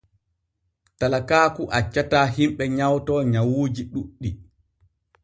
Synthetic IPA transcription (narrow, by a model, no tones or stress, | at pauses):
talakaːkuʔat͡ʃːataːɦimɓɛɲawtɔɲawuːd͡ʒiɗuɗːi